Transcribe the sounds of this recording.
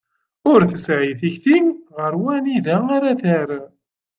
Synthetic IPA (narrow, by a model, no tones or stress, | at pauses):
ʊɾθəsʕiθiçθinʁəɾwæniðæaɾæθæɾ